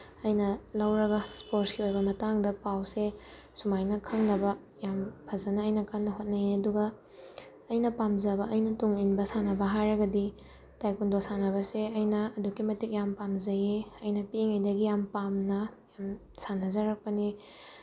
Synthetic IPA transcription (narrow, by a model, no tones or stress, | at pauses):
ɐjnɐlɐwɾɐɡɐspoɾtskiojbɐmɐtaŋdɐpawse | sumajnɐkʰɐŋnɐbɐ | jampʰɐzɐnɐːjnɐkʰaŋnɐɦot̚nɐjeɐduɡɐː | jnɐpamzɐbɐʔɐjnɐtuŋinbɐsanɐbɐɦajɾɐɡɐdi | tajkundosanɐβɐseɐjnɐɐdukimɐtik̚jampamzɐjeɐjnɐpiŋajdɐɡijampamnɐjam | sanɐzɐɾɐk̚pɐni